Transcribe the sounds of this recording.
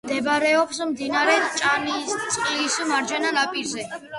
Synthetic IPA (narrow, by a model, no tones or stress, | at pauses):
md̪ɛbɾɛɔpsmd̪inaɾɛt͡ʃʼanit̪sʼqʼisumaɾd͡ʒananapʼiɾzɛ